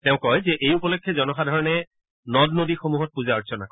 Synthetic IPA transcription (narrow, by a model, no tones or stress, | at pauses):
tɛ̃ʊ̃kɔjzɛʔejupɔlɔkʰːɛzɔnɔxadʱɔɹɔnɛ | nɔdnodixomuɦɔt̚puzaɔsʰɔnak